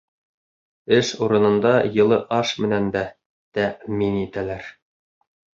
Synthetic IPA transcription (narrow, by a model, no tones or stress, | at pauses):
ɘʃuɾɤ̆nɤ̆nd̪ɑjɤ̆lˠɤʔɑʃmɘ̆nænd̪æ | t̪æʔminit̪ælæɾ